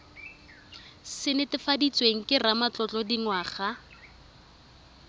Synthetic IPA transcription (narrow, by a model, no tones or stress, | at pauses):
sɪnɪtɪfadit͡sweŋ̩kʼɪramat͡ɬɔt͡ɬʼɔdiŋwaːχa